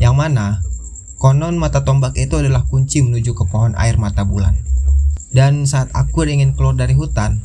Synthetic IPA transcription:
jaŋmana | kɔnɔnmat̪at̪ɔmbakit̪uadalahkuɲt͡ʃimənud͡ʒukəpɔɦɔnʔa̰ɪrmat̪abula̰n | dansaːt̪̚akʊɾiŋɪnkəlardaɾiɦut̪an

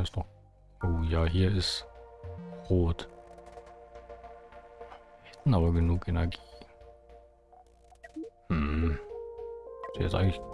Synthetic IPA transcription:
ɛsd̥ɔχ | ʔoːjaːɦiːɐɪst | ʁoːt | hɛtn̩aːbɐɡənuːkʰenɛɐɡiː | hmm̩ | z̥iːhɛ̰tʔaɪɡŋ̩tlɪç

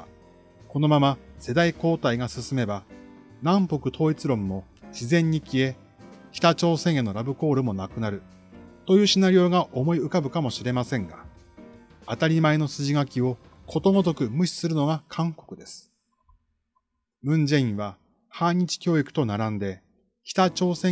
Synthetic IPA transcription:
ko̞no̞mamase̞d̪aiko̞ːt̪aiɡasɨsɨme̞ba | nãmpo̞kɯ̟t̪ʰo̞ːit͡sɨɾõ̞mːo̞ɕizẽ̞ɲ̟ːikʲie̞ | kʲi̥t̪at͡ɕo̞ːsẽ̞ɰ̃enːo̞ɾabɯ̟ko̞ːɾɯ̟mo̞nakɯ̟naɾɯ̟ | t̪o̞jɯ̟ːɕinaɾʲio̞ːɡaʔo̞mo̞iɯ̟kabɯ̟kamo̞ɕiɾe̞masẽ̞ŋɡa | at̪aɾʲimaeno̞sɨʑiɡakʲio̞ | kʰo̞t̪o̞ŋozo̞kɯ̟mɯ̟ɕi̥sɨɾɯno̞ɡakʰãŋko̞kɯ̟d̪e̞sɨ̥ | bɯ̟̃ɲ̟d͡ʑẽ̞ĩɰ̃βa | haːɲ̟it͡ɕi̥kʲo̞ːikɯ̟̥t̪o̞naɾãnd̪e̞ | kʲi̥t̪at͡ɕo̞ːsẽ̞

